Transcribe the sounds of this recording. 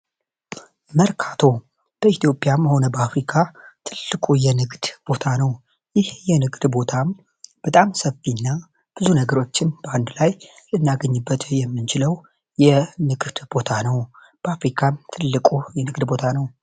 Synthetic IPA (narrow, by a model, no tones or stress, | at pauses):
məɾkʰat̪ʰo̞ | b̥əit̪ʰijo̞pʼjamho̞nəbəafɾikʰat̪ʰɨlːɨkʼujɛnɨɡd̪̥b̥o̞t̪ʰanəw | jɪhjɛnɨɡd̪bo̞t̪ʰam | b̥ət̪ʼamsəfːinːa | b̥ɨzunəɡəɾo̞t͡ʃːɪnb̥əand̪laj | lɨnːaɡəɲːɨbːət̪jɛmːɨnt͡ʃʰɪləw | jɛnɨɡd̪̥bo̞t̪ʰanəw | b̥əafɾikʰamt̪ʰɨlːɨkʼujɛnɨɡd̪bo̞t̪ʰanəw